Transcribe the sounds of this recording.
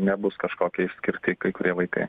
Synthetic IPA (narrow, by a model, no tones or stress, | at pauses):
nʲɛbʊskɐʃkoːkʲɛɪʃʲsʲkʲɪɾʲt̪ʲɪkɐɪkʊɾʲiɛʋɐɪkɐ̰ɪ